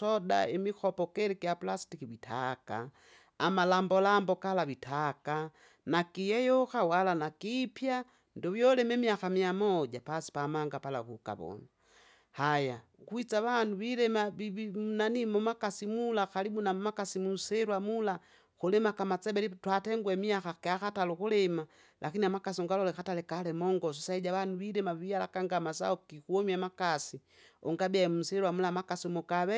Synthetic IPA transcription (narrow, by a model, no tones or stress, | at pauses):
oda̰emixopokeɾikijapulastikiβita̰ka̰ː | malaːmbolaːmbokalaβitʰaka | nakijejoxawalanakipja | ndoβjolememjaxamiamoɟapasi̥pamaːŋɡapala̰kuka̰βo̰na | haja | kwit͡saβanduβilemaβiβmunanimɔmakasimulaxalibunamakasimusɛɾwamula | kulɛmakamat͡sɛbɛlitwatɛŋɡwɛmiaxakɛaxatalukulɛma | lʔakiniamakasiɔŋɡalɔlɛxatalɛkalɛmɔŋɡɔs̬ɔsaiɟaβanuβiɾɛmaβiala̰kaŋɡamas̬a̰ɔkikuɔmiamakasi | ɔŋɡabiaɛmum̩sɛɾwamulamakasiɔmɔkaβɛ